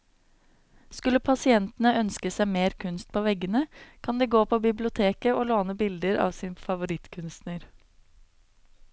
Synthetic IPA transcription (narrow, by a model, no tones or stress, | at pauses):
skʉləpʰɑsɪɛnt̪n̩əœnskəsæɪmeːɾkʰʉnst̪̚pʰoːʋɛɡənəkʰɑnd̪eːɡoːpʰoːbɪblɪʊt̪ʰeːkəoːloːnəbɪld̪əɾɑ̰ːʋsiːnfɑʋʊɾɪt̪kʰʉnst̪nəɾ